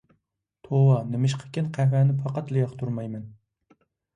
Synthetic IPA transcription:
t̪ʰowɑnɪmɪʃ̬qʰə̥kʲɪnqʰæhwænɪpʰɑqɑt̪lɪjɑqt̪ʰuɾmɑjmɛn

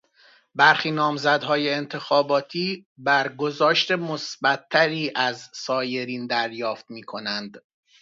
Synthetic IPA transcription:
bæɾxiːnɒːmzæd̪ɦɒːje̞ːnt̪ʰe̞xɒːbɒːt̪ʰiːbæɾɡo̞zɒːʃt̪e̞mosbæt̪ʰːæɾiːʔæzsɒːje̞ɾiːnd̪æɾjɒːft̪miːkʰo̞nænd̪

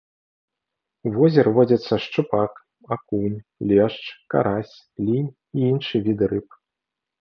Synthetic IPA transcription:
uvɔzʲɛɾɨvɔd͡zʲɐt̪sːɐʂt͡ʂɨpak | akunʲlʲɛʂt͡ʂka̰ɾasʲ | lʲinʲ | iinʂɨvʲid̪ɾɨp

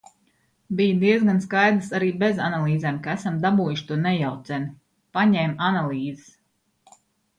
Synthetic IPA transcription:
bijd̪iɛzɡanskajd̪ɾɨsaɾiːbezanalˠiːzɛːmkaæsamd̪abuːjuʃt̪uɔnɛjawt̪sɛn | paɲɛːmanalˠiːzɪs

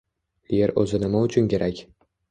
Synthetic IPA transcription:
jeɾɵ̰zɪnɪmaʊt͡ʃʰʊnkʲe̞ɾʔakʲ

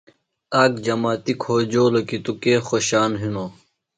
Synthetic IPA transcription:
aːkd͡ʑɐmaːt̪ikʰoːd͡ʑoːlɐkit̪ukeːxoɕaːnɦinoː

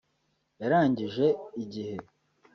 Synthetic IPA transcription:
jaɾaːɲɟiʒe̞iɟihe̞

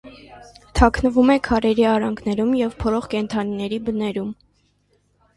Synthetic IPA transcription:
t̪ʰɑkʰnəvumɛkʰɑɾɛɾiɑɾɑŋɡʰnɛɾumjɛvpʰɔlɔχkɛnt̪ʰɑninɛɾibənɛɾum

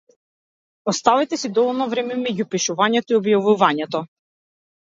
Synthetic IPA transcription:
ɔst̪avit̪ɛsid̪ɔvɔlˠnɔvɾɛmɛmɛɟupiʃuvaɲɛt̪ɔiɔbjavuvaɲɛt̪ɔ

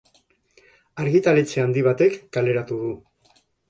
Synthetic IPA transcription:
aɾɣit̪alet͡seand̪iβat̪e̞kːale̞ɾat̪uðu

